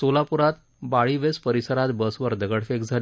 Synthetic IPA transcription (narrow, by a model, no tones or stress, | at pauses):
solapuɾat̪ | baɭiʋespəɾisəɾat̪bəsʋəɾd̪əɡəɽfekd͡zʱal